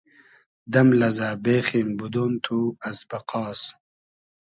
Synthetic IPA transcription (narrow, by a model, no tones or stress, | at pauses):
d̪ɐmlɐzaːbeːxiːmbud̪oːnt̪ʰuɐzbɐqɑːs